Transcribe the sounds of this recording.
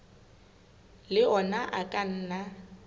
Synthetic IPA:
lɪɔnaʔakʼan̩ːna

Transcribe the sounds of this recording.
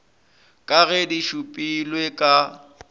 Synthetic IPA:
kʼaɣɛdiʃupʼilwekʼa

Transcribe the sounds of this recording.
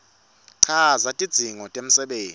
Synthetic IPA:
ǀʰazatʼid̥d͡z̥ʱiŋɔtʼem̩sɛɓeː

